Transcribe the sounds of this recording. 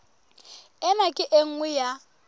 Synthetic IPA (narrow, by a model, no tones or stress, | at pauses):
ɛnakʼɪʔeŋ̩ŋwɛja